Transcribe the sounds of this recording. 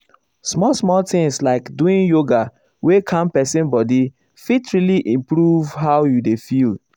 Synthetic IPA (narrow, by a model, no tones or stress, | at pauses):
smɔlsmɔlt̪ɪ̃ŋslaɪkduĩnjoɡa | wekʰãmpɛsɛ̃nbɔdi | fitɹiliʔĩmpɾuvɦaʊjudefil